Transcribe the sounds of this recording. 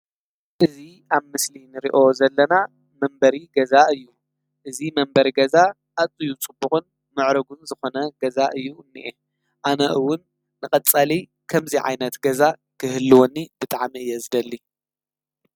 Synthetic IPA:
ʔɨzi | aβmɨslinɨɾḭʔo̞zɐlːɐna | mɐmbɐɾiɡɐzaɨjːu | ʔɨzimɐmbɐɾiɡɐza | ʔat͡sʼɨjut͡sʼɨbuxʼɨn | mɨʕɾɐɡunzɨxo̞nɐɡɐzaʔɨjːuɨnːiʔe | ʔanɐʔɨwʊnː | ɨkʼɐt͡sʼali | kʰɐmziʕa̰jnɐt̪ɡɐzakʰɨhɨlːɨwonːib̥ɨt̪ʼaʕmiɨjːɛzɨd̪ɐlːi

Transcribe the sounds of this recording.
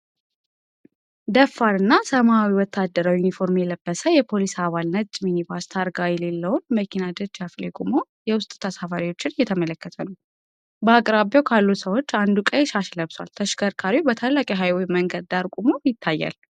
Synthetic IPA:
d̪əfːaɾɨnːasəmawiwɔt̪ʰːad̪ːəɾawijunifo̞ɾmjɛləbːəsəjɛpʰo̞lisaβalnət͡ʃ̪ʼːminibast̪ʰaɾɡajɛlelːəwonməkʰinad̪əd͡ʒaflekʼumo̞jɛwʊst̪ʼt̪ʰːasafaɾiwo̞t͡ʃːɪnjɛt̪ʰəmələkːət̪ʰənəw | bəakʼɾabjowkʰalːusəwo̞t͡ʃːand̪ukʼəjeʃaʃləβswa̰lt̪ʰəʃkʰəɾkʰaɾibət̪ʰalːakʼiɦajwjməŋɡəd̪d̪aɾkʼumojɪt̪ʰːajːa̰l

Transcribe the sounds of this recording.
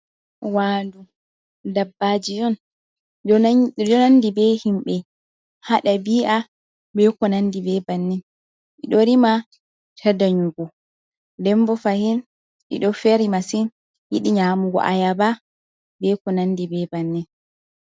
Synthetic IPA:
waːndu | dabːad͡ʒijɔn | d͡ʒɔnandibɛhimɓɛ | haɗabiːʔa | bɛkɔnandibɛbanːɛn | ʔiɗɔɾima | tʰɛdaɲuɡɔ | dɛmbɔfahin | ʔḭɗɔfɛɾimasin | jḭɗiɲamuɡɔ̰ʔa̰jaba | bɛkɔnanːdibɛbanːɛn

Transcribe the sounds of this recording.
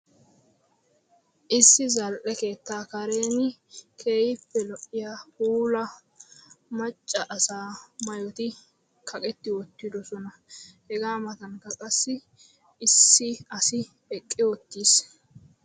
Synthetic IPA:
ʔɪsːɪzɐlʔɛke̞ːt̪ːaːkɐɾe̞ːnɪkʰeːjɪpːɛlɔʔɪjahuːlɐ | mɐt͡ʃʼːɐʔɐsaːmɐjɔt̪ɪ | kʰɐkʼɛt̪ːɪwɔt̪ːɪd̪ɔsɔnɐ | hɛɡaːmɐt̪ɐnkɐkʼɐsːɪ | ɪsːɪɐsɪ | ɛkʼːɪwɔt̪ːiːs

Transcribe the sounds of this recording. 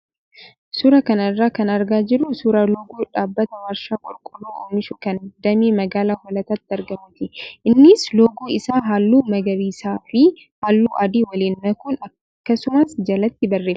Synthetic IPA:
suːɾɐkɐnɐrːaːkɐnɐɾɡaːd͡ʒɪrːʊsuɾɐlɔːɡuːᶑaːbːɐt̪ɐwɐɾʃaːkʼʊlkʼʊlːuːoːmːɪʃʊkɐnd̪ɐmiːmɐɡaːlaːhɔlɐt̪ɐt̪ːɐɾɡɐmʊt̪ɪʔɪnːɪslɔːɡuːɪsaːɦaːlːuːmɐɡɐbiːsaːfɪ | haːlːuːʔɐd̪iːwɐliːnːɐkunɐ | kːɐsʊmɐsd͡ʒɐlɐt̪ːɪbɐrːeːf

